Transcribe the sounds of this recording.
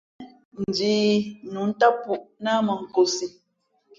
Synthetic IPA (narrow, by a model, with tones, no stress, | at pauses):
n̩˨d͡ʒiː˦nu˨˦n̩˦ta˦pu˨ʔna˦mə˨ŋ̩˨ko˨si˨